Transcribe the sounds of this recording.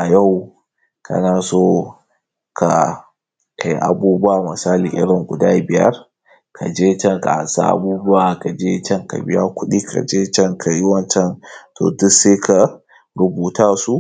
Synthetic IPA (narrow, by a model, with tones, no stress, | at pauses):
ʔa˨ja˦˨w | kʰɐ̰˦naː˨soː˦ | kʰa˨ | kʰa˨jʔa̰˨buː˦bʊ˦ʔa˨mɪ˨saː˦li˨ʔɪ̰˦ɽɪ˨ŋɡʷʊ̰˨daː˦bɪ˨jɐ̰˦r | kʰa˨d͡ʒeː˦t͡ʃɛ˦ŋka̰˨ha̰˨nsa̰ː˦ʔa̰˦buː˦bʊ˦a˨ka˨d͡ʒeː˦t͡ʃɛ˦ŋka̰˨bɪ˦ja˦kʷʊ˦ɗi˦kʰa̰˨d͡ʒeː˦t͡ʃɛ˦ŋkʰa˨ji˦wɐ˦nt͡ʃɛ˦ntʰo̰ː˨dʊ˦se˦kʰa˨ | ɽʊ˦buː˨taː˦su˦